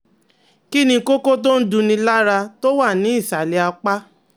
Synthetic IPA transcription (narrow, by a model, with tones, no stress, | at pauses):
ki˦nĩ˧˦ko˦ko˦t̬o˦n̩˦dũ˧nĩ˧la˦ɾa˧to˦wa˦˨nĩ˨˦i˦˨sa˨le˧˦a˧k͡pa˦